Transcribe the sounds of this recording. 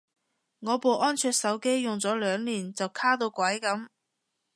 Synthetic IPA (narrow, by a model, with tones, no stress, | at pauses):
ŋɔː˨˧po˨wʔɔː˥nt͡ʃʰœː˧k̚sɐ˨˥wke˥jjʊ˨˩ŋt͡sɔː˨˥lœː˨˧˥ŋliː˨˩nt͡sɐ˨wkʰaː˥t̪o˧wkwɐ˨˥jkɐ˨˥m